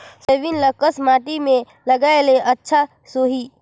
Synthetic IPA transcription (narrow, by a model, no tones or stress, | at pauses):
sebinləkəsmaːʈimẽ | ləɡaeleʔətːʃʰa | soɦi